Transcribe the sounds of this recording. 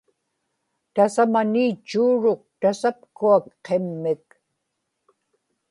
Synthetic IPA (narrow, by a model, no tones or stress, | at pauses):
t̪asamaniːt͡ʃːuːɻoq̚t̪asap̚kuakqe̞mːɪk